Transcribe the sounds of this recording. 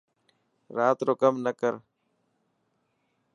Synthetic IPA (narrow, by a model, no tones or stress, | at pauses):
ɾaːt̪ɾoːkəmnəkəɾ